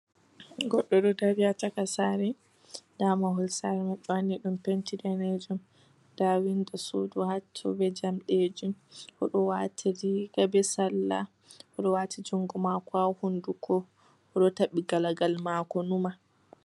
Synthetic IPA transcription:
ɡɔɗːɔɗɔdawiatakasaːɾɛ | damaɦɔlsaɾɛmaɔwaniɗumpentidɛned͡ʒum | d̥awindɔso̰duhat͡ʃːɔ̰bɛd͡ʒamɗed͡ʒumʔɔɗɔwatʰiɾiɡabɛsalːa̰ | ʔɔɗɔwatʰid͡ʒuŋɡumakɔahundukʰɔ | ʔɔɗɔtaɓːiɡalaɡalmakɔnuma

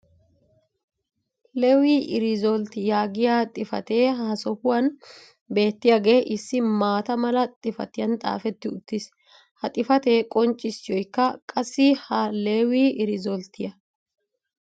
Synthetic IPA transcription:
lewiːʔɪɾɪzɔlt̪ɪjaːɡɪjaːt̪ʼɪfɐ̰t̪e̞ːɦasɔhʊwɐn | be̞ːt̪ːɪjaɡe̞ːʔɪsːɪmaːt̪ɐmɐlɐt̪ʼɪfɐ̰t̪ɪjɐnt̪ʼa̰ːfɛt̪ːɪʊt̪ːɪs | hɐt̪ʼɪfɐt̪e̞ːkʼɔnt͡ʃʼːɪsːɪjɔjkːɐkʼɐsːɪhɐleːwiːʔɪɾɪzɔlt̪ɪjɐ

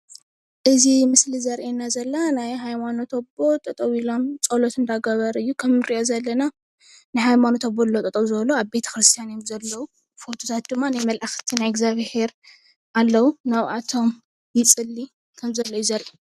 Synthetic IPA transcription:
ʔɨzimɨslizɐɾʔenːazɐlːanajɦajmanot̪ʰobo̞t̪ʼɐt̪ʼɐwilo̞mt͡sʼolot̪ɨnd̪aɡɐβɐɾɨjːukʰɐmɾiʔo̞zɐlːɐna | nɨhajmanot̪ʰobolːot̪ʼɐt̪ʼɐwzɨβloaβbe̞t̪ʰɐ̥kɾɨst̪ʰijanemzɐlːɐwu | fo̞t̪ʰot̪ʰat̪̚d̪ɨmːanajmɐlʔaxt̪ʰinajɪɡzaβhe̞ɾ | ʔalːɐwunaβʔat̪ʰo̞m | jɪt͡sʼɨlːi | kʰɐmzɐlːɐjuzɐɾʔi

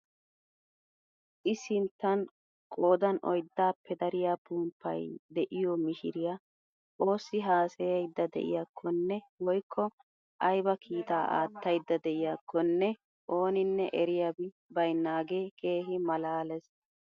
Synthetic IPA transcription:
ʔɪsɪnt̪ːɐn | kʼo̞ːd̪ɐnɔ̰jd̪ːaːpːɛd̪ɐɾɪjabuːmpʰːɐ̰jd̪ɛʔɪjɔmɪʃɪɾɪja | ʔo̞ːsːɪɦaːsɛjɐjd̪ːɐd̪ɛ̰ʔɪ̰jakʰːɔnːɛ | wɔjkʰːɔ | ʔɐjbɐkʰiːt̪aːʔa̰ːt̪ːɐjd̪ːɐd̪ɛʔɪjakʰːɔnːɛ | ʔo̞ːnɪnːɛʔɛɾɪjabɪ | bɐjnːaːɡeːkʰe̞ːɦɪmɐlaːlɛs

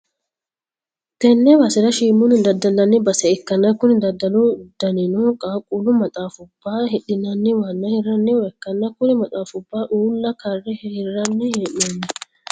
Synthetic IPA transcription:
t̪ɛnːɛwɐsɪɾɐʃiːmːʊnɪd̪ɐd̪ːɐlːɐnːɪbɐsɛɛkːɐnːɐkːʊnɪd̪ɐd̪ːɐlʊd̪̥ɐnɛnʊkʼaːkʼːulʊmɐt̪ʼaːfʊbːaːhɪᶑɪnɐnːɪwɐnːɐhɪrːɐnːɪwɛkːɐnːɐkːʊnɪmɐt̪ʼaːfʊbːaːʔuːlːɐkɐrːɛhhɪrːɐnːɪhɛʔɛnːɪ

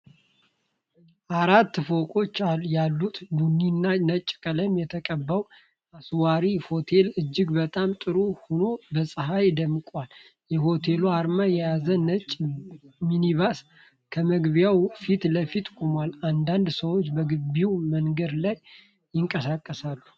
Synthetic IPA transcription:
ʔaɾat̪ːfokʼo̞t͡ʃːaljalːut̪bunːinːanət͡ʃʼːkʼələmjɛt̪ʰəkʼəbːəw | aswaɾiho̞t̪ʰe̞lɨd͡ʒːɪɡbət̪ʼamt̪ʼɨɾuhuno̞bəsʼɨɦajd̪əmkʼal | jɛho̞t̪ʰe̞luaɾmajɛjazənət͡ʃʼminiβas | kʰəməɡβjawfit̪ləfit̪kʼumaland̪and̪səwot͡ʃːbəɡɨbiwməŋɡəd̪lajː | ɪŋkʼəsakʼːəsalːu

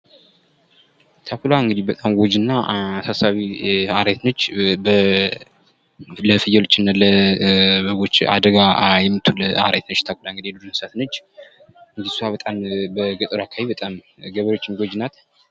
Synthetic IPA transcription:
t̪ʰakulaɨŋɡɨd̪ibət̪ʼamɡod͡ʒɨnːasasaβiaɾat̪not͡ʃːbə | ləfɨjɛlot͡ʃːɪnːalə | bəɡo̞t͡ʃːa̰d̪əɡajɛmːɨt̪ʰːuləa̰ɾa̰t̪nət͡ʃːt̪ʰakulaŋɡɨd̪ijɛd̪ud̪unɨsat̪not͡ʃː | ɨnd̪i̥suhaβət̪ʼambəɡɨt̪ʼɨɾakʰaβibət̪ʼamɡəβəɾo̞t͡ʃːɪnɡod͡ʒnat̪

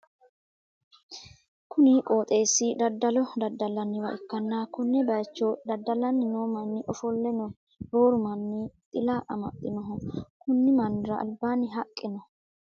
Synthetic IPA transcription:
kʊnɪkʼoːt̪ʼe̞ːsɪd̪ɐd̪ːɐlɔd̪ɐd̪ːɐlːɐnːɪwɐʔɪkːɐnːakʊnːɛbɐjt͡ʃːɔd̪ɐd̪ːɐlɐnːɪnoːmɐnːɪʔɔfɔlːɛnɔ | ɾoːɾʊmɐnːɪt̪ʼɪlɐʔɐmɐ̰t̪ʼːɪnɔɦɔkʊnːɪmɐnd̪ɪɾɐ̰ʔɐ̰lbaːnːɪɦɐkʼːɪnɔ

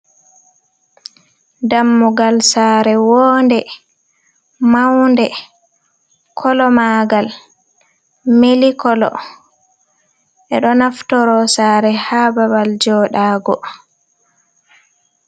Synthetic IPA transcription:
damːuɡalsaːɾɛwɔːndɛ | mawndɛ | kʰɔlɔmaɡal | melikɔlɔ̰ | ʔɛɗɔnaftɔɾɔsaːɾɛhababald͡ʒɔɗaːɡɔ

